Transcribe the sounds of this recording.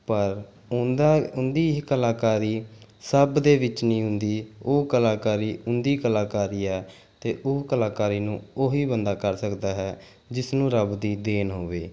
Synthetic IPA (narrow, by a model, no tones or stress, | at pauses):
pəɾ | ʊd̪aʊnd̪iːkəlaːkaːɾiːsəbd̪eːʋɪt͡ʃnĩːɦʊ̃nd̪iːoːkəlaːkaːɾiːʊnd̪iːkəlaːkaːɾiːɛː | t̪eːʔʊkəlaːkaːɾiːnũːoːɦiːbənd̪aːkəɾsəkd̪aːɦɛː | d͡ʒɪsnũːɾəbd̪iːd̪eːnɦoːʋeː